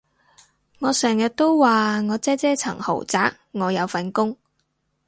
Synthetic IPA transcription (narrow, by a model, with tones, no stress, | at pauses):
ŋɔː˨˧sɛː˨˩ŋjɐ˨t̚t̪o˥wwaː˨ŋɔː˨˧t͡sɛː˥t͡sɛː˥t͡sʰɐ̰˨˩ŋho̰˨˩wt͡saː˨˥k̚ŋɔː˨˧jɐ˨˧wfɐ˨nkʊ˥ŋ